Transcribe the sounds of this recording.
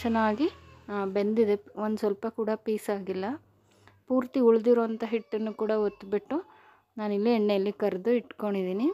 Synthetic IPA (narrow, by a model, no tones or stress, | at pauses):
t͡ʃɛnːaːɡibe̞nd̪id̪eond̪usʋɐlpɐkuːɽɐpiːsaːɡilːɐ | puːɾt̪iuɭd̪iɾoʋɐnt̪ɐɦiʈːɐnːukuːɽɐot̪ːbiʈːu | naːnilːiɛɳːejɐlːikɐɾd̪uiʈko̞ɳɖid̪iːni